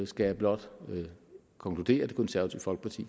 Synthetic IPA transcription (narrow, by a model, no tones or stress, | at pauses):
sɡ̥æjæb̥lɒ̽d̥ | kʰɒ̽ŋklud̥e̝̰ːɐd̥e̝konsæɐʋæt͡sʰḭʊ̰fɒ̽lɡ̥əpʰɑ̈t͡sʰḭː